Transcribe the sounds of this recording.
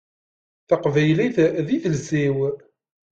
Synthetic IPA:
θɑqvæjliθðiθəlziw

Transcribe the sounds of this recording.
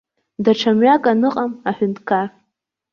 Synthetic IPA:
daʈ͡ʂʰamɥakʼanɨqʼamaħʊntʰʼkʰar

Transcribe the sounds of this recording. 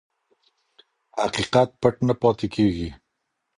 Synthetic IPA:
ha̰qiqat̪̚paʈnapɑt̪ekʰeɡi

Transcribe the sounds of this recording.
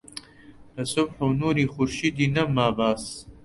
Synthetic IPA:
d̪ɐsʊbħonuːɾiːχʊɾʃid̪inɐmaːbaːs

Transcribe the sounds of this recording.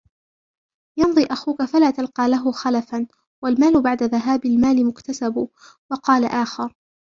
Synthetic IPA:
jɑnðˤiːʔaxuːkafalaːt̪alqɑːlaɦʊxalafan | walmaːlʊbaʕd̪aðaɦaːbɪlmaːlɪmʊkt̪asab | wɑqɑːlaʔaːxɪɾ

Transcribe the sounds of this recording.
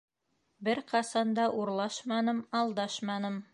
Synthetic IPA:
bɘɾqɑsɑnd̪ɑʔuɾlˠɑʃmɑnɤmɑlˠd̪ɑʃmɑnɤm

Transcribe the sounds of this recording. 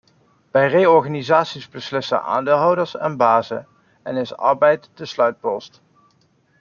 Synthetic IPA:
bɛjrejɔɹχaːnizaːtsizbəslɪsə̰nʔa̰ːndeːlˠɦɑwdəɹsɛ̰nbaːzə̰ | ɛnɪsɑ̰ɹbɛjtdəslœɥt̚pɔst

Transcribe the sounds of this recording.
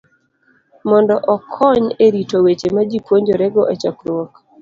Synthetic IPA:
mɔndɔʔɔkʰɔɲeɾitowet͡ʃemad͡ʒipwoɲd͡ʒoɾɛɡɔʔɛt͡ʃɔkɾwɔk

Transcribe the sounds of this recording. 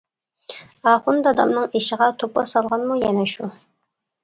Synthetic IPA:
ɑχund̪ɑd̪ɑmnɨŋeʃəʁɑt̪ʰopɑ̰sɑlˠʁɑnmujɛnɛʃu

